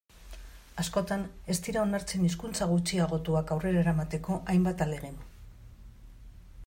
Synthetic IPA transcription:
asko̞t̪ane̞st̪iɾao̞naɾt͡se̞nis̬kunt͡saɣ̞ut͡siaɣ̞o̞t̪uakawre̞ɾaeɾamat̪e̞ko̞ʔajmbat̪ale̞ɣ̞en

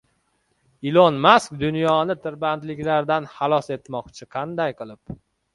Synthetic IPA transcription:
ɪlˠonmask̚d̪ʊnjɒnɪt̪ʰɪɾbant̪lɪkʲlaɾd̪anhɑlˠɒse̞t̪mɒqt͡ʃʰɪqʰɑnd̪ajqɨlˠɪp̚

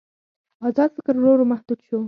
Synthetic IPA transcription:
ɑzɑd̪fɪkɾɾoɾomahd̪uk̪ʃo

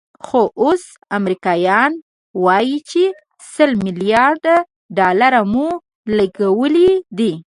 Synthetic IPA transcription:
xoʔos | amɾikɑjɑn | wɑjit͡ʃe | səlmɪlijɑɾd̪a | ɖɑlaɾamu | laɡawəlid̪i

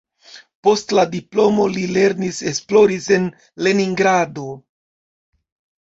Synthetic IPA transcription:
po̞stladiplo̞mo̞lile̞ɾnise̞splo̞ɾise̞n | le̞niŋɡɾado̞

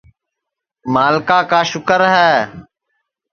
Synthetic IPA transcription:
maːlkaːkaːʃʊkəɾɦɛː

